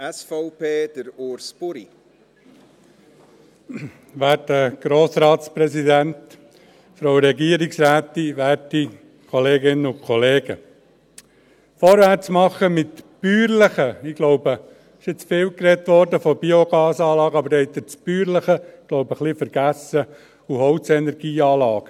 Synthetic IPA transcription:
ɛsfɔʊpeːd̥əɾoɾspʊɾi | ʋæːtəɡ̥ɾoːsɾɑːt̪spɾɛsid̪ænt̪ | fɾowɾɛɡiəɾiksɾæːt̪ːiʋæːti | kʰɔleːɡɪnəʊkʰχɔleːɡ̥ə̰ | fɔːɾʋæt͡smɑχːəmɪt̪b̥yːɾləχəɪɡ̥lɔwbə | ɪʃɪt͡sfɪːwkɾɛt̪ʋɔɾdəfɔb̥ioɡ̥ɑːsɑːlɑːɡəɑbəɾɛɪt̪ət͡sb̥yːɾləχəɡ̥lɔʊbəχlifəɾɡ̥æsə | uhɔwt͡sɛnɛɾɡ̥iːɑːlɑːɡ̥ə

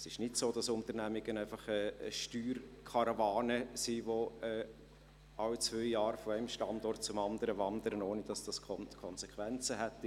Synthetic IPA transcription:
sɪʃnɪtsoːd̥ɑsʊntəɾnæmɪɡ̥ənæɪfɑχɛːʃtyːrkʰɑɾavɑːnəsiːvoɛː | ɑwt͡svœʏjɑːɾfɔæɪmʃtɑndɔrt̚t͡sʊmɑndəɾəvɑnd̪əɾənoːnəd̥ɑsd̥ɑskʰɔnkʰɔnsekχvɛnt͡səɦɛtːi

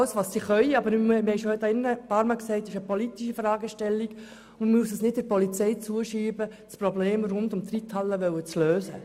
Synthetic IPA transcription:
ləsʋɑːssiχœʏɑbəɾmmmɪhɛɪʃohøtɑɪnːəpɑɾmɑksɛɪtɪʃəpɔlit̪iʃifɾɑːɡəʃtɛlːiɡ | ʊmmuəsəsnɪt̚d̥ɪɾpɔlit͡sɛjt͡suəʃiːbə | spɾɔbleːmrʊndʊmt̪rit̪hɑlːəʋœwət͡sløːsə̰

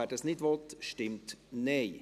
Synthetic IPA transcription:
ɛdəsnɪdʋɔt̪ʃtɪmt̪nɛɪ

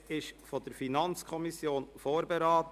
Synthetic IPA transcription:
ɪʃfɔd̥əɾfinɑnt͡skʰɔmisjoːnfoːɾbeɾaːt

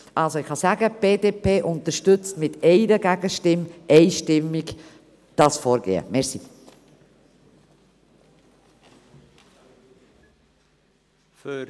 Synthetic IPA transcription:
ʔɑlˠsoɪχhɑsæɡəb̥eːdeːpʰeːʔʊnt̪əʃtʏt͡stmɪtɛɪɾəɡæɡəʃtɪmɛɪʃtɪmɪɡ | d̥ɑsfɔːɾɡḛːə̰mɛɾsi | f

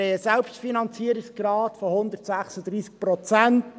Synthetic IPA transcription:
eəsɛlpʃtfinɑnt͡siəɾiksɡ̥ɾɑːtfɔhʊnd̪ərtsæχsəd̪ɾiːsk̚pɾɔt͡sænt

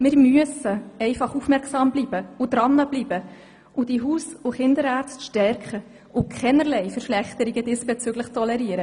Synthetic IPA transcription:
mɪːɾmyəsəɛɪfɑχufmɛɾksɑːmbliːb̥əʊd̥̪ɾɑnːəb̥liːbə | ʔʊd̥iɦuːsʊχɪnd̪əɾɑːɾt͡stʃtɛɾkχə | ʔʊkʰχɛnəɾlɛjfəɾʃlɛχt̪əɾiɡəd̥ɪsb̥et͡søɡləχtʰɔlɛɾiəɾə

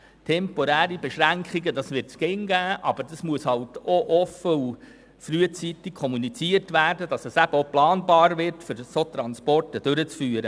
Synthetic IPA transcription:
tʰɛmpɔɾæːɾibɛʃɾæŋkχiɡədɑsʋɪɾtt͡skɪŋɡæːʔɑb̥əɾd̥ɑsmuəshɑltoʔɔfəu | fɾyːət͡sitikʰɔmunit͡siərtʋæːrdəd̥ɑsɛsæbəoplɑːnbɑːɾʋɪɾtfʏɾsot̪ɾɑnspɔrtəd̥øɾət͡sfyːɾə

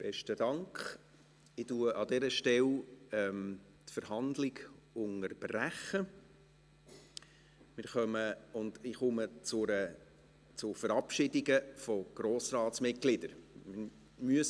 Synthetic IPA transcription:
b̥ɛʃtədɑŋkχ | ɪtuəʔɑd̪ɛɾəʃtɛlɛm | tfəɾɦɑnd̪lɪɡʊŋəɾb̥ræχə | mɪɾχœməʊndɪχʊmət͡sʊɾə | t͡sʊfəɾɑpʃɪdɪɡəfɔɡ̥ɾoːsrɑːtsmɪtɡ̥lɪd̥əɾmɪ | myəs

